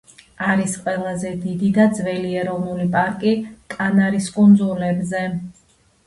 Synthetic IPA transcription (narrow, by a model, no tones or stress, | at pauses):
aɾisqʼwɛlˠazɛd̪id̪id̪ad̪zvɛliɛɾɔvnulipʼaɾkʼikʼanaɾiskʼund̪zulɛbzɛ